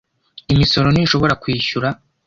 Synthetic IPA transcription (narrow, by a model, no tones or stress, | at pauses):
imiso̞ɾo̞ninʃo̞βo̞ɾakwiːçuɾa